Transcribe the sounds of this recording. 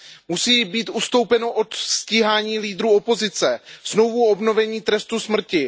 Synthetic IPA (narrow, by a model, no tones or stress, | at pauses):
musiːbiːt̪ust̪o̞wpɛno̞ʔot̪sciːɦaːɲiːliːd̪ɾuːo̞po̞zɪt͡sɛz̥no̞vuo̞bno̞vɛɲiːt̪ɾɛst̪usmr̩cɪ